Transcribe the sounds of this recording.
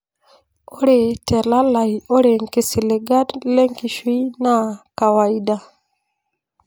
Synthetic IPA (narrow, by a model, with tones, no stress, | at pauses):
o˦ɾe˨te˨la˦la˨jo˦ɾe˨ŋke˨si˨le˨ɡa˦dle˦ŋki˨ʃi˦jna˦ka˨wa˨i˦da˦˨